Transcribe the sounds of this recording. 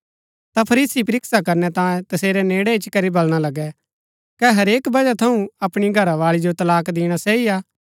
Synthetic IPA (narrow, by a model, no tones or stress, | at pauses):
t̪apʰɐɾiːsip̬ɐɾɪksakɐɾnɛt̪ãːjẽt̪ɐseːɾɛneːɽɛɪt͡ʃkɐɾibɐlɽ̃alɐɡɛ | kɛɦɐɾeːkbɐd͡ʒat̪ʰɐũɐpɽ̃iɡʱɐɾaʋaːɭid͡ʒot̪ɐlaːkd̪ɪːɽ̃asɛːiaː